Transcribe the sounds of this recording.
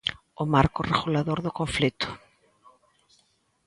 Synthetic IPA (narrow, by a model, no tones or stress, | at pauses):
ʊmaɾkʊreɣulaðoɾðʊkoɱflit̪ʊ̥